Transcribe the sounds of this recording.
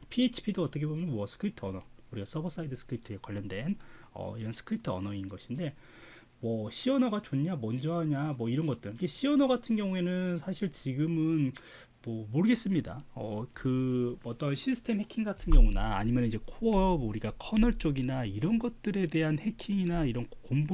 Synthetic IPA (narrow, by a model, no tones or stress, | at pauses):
pʰiet͡ɕʰi̥pʰidoʌt͈ʌkʰe̞bomjʌnnmwʌsʰɯ̥kʰɯɾitʰɯʌnʌuɾiɡas͈ʌbʌs͈aidɯsʰɯ̥kʰɯɾitʰɯekwaʎjːʌndwe̞nʌ̰iɾʌnsʰɯ̥kʰɾitʰɯʌ̰nʌinɡʌɕʰinde̞ | mwʌɕʰiʌnʌɡat͡ɕonamʌnd͡ʑʌɦaɲamwʌiɾʌnɡʌt͈̚ɯɾnkeɕʰiʌnʌɡatʰɯnɡjʌŋue̞nɯnsʰaɕʰiɭt͡ɕiɡɯmɯn | mʌmoɾɯɡe̞s͈ɯmɲida̰ʌ̰kɯʌt͈ʌnɕʰisʰɯ̥tʰe̞mhe̞kʰiŋɡatʰɯnɡjʌŋuna̰ːɲimjʌnid͡ʑe̞kʰoʌbuɾiɡakʰʌnʌɭt͡ɕ͈oɡinaiɾʌnɡʌt̚t͈ɯɾe̞de̞ɦanhe̞kʰiŋinaiɾʌnkoŋbu